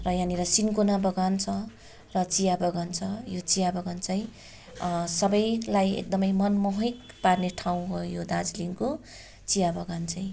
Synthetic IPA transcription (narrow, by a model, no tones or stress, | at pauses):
rʌjãniɾʌsinkonabʌɡant͡sʰʌ | rʌt͡sijabʌɡant͡sʰʌjot͡sijabʌɡʌnt͡saĩ | sʌbʌjlajḛk̚d̪ʌmʌjmʌnmʌɦʌjk | parneʈʰaw̃ɦojojod̪ad͡zliŋko | t͡sijabʌɡant͡saj̃